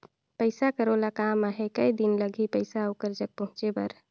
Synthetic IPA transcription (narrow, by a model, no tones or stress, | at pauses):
pəɪsakəɾolakamaɦekəjd̪inləɡʱipəjsaukəɾd͡ʒək̚pəɦʊ̃t͡ʃebə̰ɾ